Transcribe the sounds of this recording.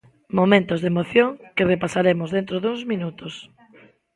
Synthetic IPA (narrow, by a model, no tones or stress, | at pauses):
momẽnt̪ozðemoθjoŋkɪrepasaɾemʊzðent̪ɾoðuŋzmĩnut̪os